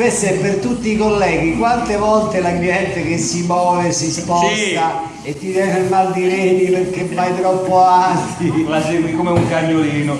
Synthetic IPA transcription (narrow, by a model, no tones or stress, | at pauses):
pesːepːert̪ut̪ːiːkolːɛːɡ̟ikwant̪evɔlt̪elaɡjɛnt̪ekesːimɔːvesːispɔsk̪a | et̪ːit̪ɛneɾmald̪iɾeniperk̟ːevajt̪ɾɔpːoant̪iasemikomeuŋkaɲːoliːno